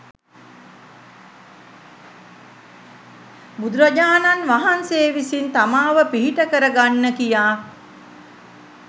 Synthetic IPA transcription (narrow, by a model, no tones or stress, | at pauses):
bud̪uɾəd͡ʒaːnanʋaɦanseːʋisint̪amaːʋəpiɦiʈəkəɾəɡanːəkijaː